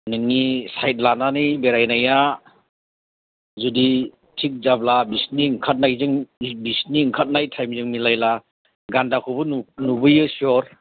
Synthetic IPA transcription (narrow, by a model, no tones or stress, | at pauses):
nɯŋːisajt̚lananijbeɾajnaja | zudi | tʰik̚zablabisniŋkʰat̚najzɯŋbisniŋkʰat̚najtʰajmzɯŋmilajla | ɡandakʰubɯnunubɯjɯsiɔɾ